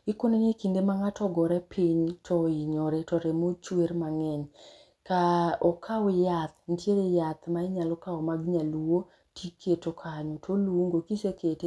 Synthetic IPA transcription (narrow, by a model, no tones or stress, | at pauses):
ɪkonenekindemaŋatʰɔɡɔɾɛpʰiɲtʰɔiɲɔɾɛtɔɾemot͡ʃweɾmaŋɛɲ | kaɔkʰawɪjat̪ntjeɾejat̪maɪɲalɔkaɔmaɡɲaluwo | tʰikʰːetokʰaɲɔtʰoluuŋɡokisekʰete